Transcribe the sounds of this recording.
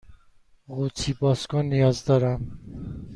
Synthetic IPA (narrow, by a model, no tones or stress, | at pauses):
ɣut͡sʰibɔskɔnːijɒzd̪ɔɾam